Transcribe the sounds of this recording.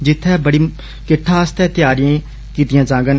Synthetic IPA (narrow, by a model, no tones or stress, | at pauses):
d͡ʒɪt̪ʰːɛːbəɽiː | kɪʈʰːaːst̪ɛːt̪ɪjaːɾɪjãː | kiːt̪ɪjãːd͡ʒãːɡən